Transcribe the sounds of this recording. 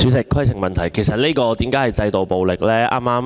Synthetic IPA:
syː˨˧˥sɪ˨˩kʰːɐ˥jt͡sʰɪ˨˩ŋmɐ˨nt̪ʰɐ˨˩jkʰe˨˩jsɐ˨t̚ne˥kɔː˧t̪iː˨˥mkaː˨˥hɐ˨˩jt͡sɐ˧jt̪o˨wpo˨wlɪ˨k̚lɛː˥ʔa̰ː˥maː˥m

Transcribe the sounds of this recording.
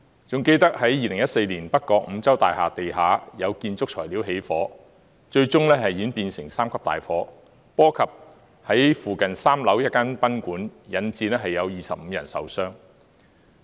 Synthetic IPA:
t͡sʊ˨ŋke˧jt̪ɐ˥k̚hɐ˨˥jjiː˨˧lɪ˨˩ŋjɐ˥t̚se˧jliː˨˩npɐ˥t̚kɔː˧k̚m̩˨˧˥t͡sɐ˥wt̪a̰ː˨jhaː˨t̪e˨jɦaː˨˥jɐ˨˧wkiː˧nt͡sʊ˥k̚t͡ʃʰɔ̰ː˨˩jliː˨˥wɦe˨˥jfɔː˨˥ | t͡ʃɵ˧ɥt͡sʊ˥ŋlɛː˥ɦɐ˨jjiː˨˥npiː˧nsɪ˨˩ŋsaː˥mkʰɐ˥p̚t̪a̰ː˨jfɔː˨˥ | pɔː˥kʰɐ˨p̚ | hɐ˨˥jfuː˨kɐ˨nsaː˥mlɐ˨˥wjɐ˥t̚kaː˥npɐ˥nkuː˨˥njɐ˨˧nt͡siː˧nɛː˥ɦɐ˨jːɐ˨˧wjiː˨sɐ˨p̚m̩ː˨˧jɐ̰˨˩nsɐ̰˨wsœː˥ŋ

